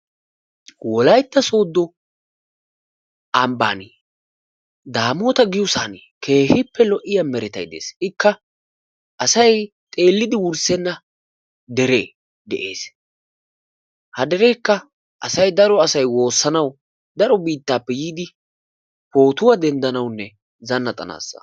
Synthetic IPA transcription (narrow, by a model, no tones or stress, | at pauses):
wɔlɐjt̪ːɐso̞ːd̪ːɔ | ɐmba̰ːn | d̪aːmoːt̪ɐɡɪjʊsaːn | kʰe̞ːhɪpːɛlɔʔɪjɐmɛɾɛt̪ɐ̰jd̪e̞̰ːsɪkːɐ | ʔɐsɐj | t̪ʼe̞ːlːɪd̪ɪwʊɾsɛnːɐ | d̪ɛɾeː | d̪ɛʔe̞̰ːs | hɐd̪ɛɾɛjkːɐ | ʔɐsɐjd̪ɐɾɔɐsɐjwo̞ːsːɐnɐw | d̪ɐɾɔbiːt̪ːaːpːɛjiːd̪ɪ | po̞ːt̪ʊwad̪ɛnd̪ɐnɐwnːɛ | zɐnːɐt̪ʼɐna̰ːsːɐ̥̰